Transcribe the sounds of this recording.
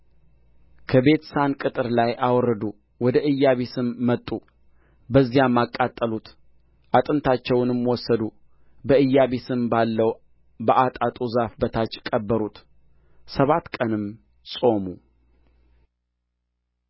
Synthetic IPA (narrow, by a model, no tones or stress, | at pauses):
kʰəβe̞t̪sankʼɨt̪ʼɨɾlajʔawɔɾːəd̪u | wɔd̪əʔɨjːaβisɨmːət̪ʼːu | bəzːijamːakʼːat̪ʼːəlut̪ | ʔat̪ʼɨnt̪ʰat͡ʃːɛwnɨmwɔsːəd̪u | bəɨjːaβisɨmbalːəw | bəʔat̪ʼat̪ʼuzafbət̪ʰat͡ʃːkʼəbːəɾut̪ | səβat̪kʼənɨm | sʼo̞mu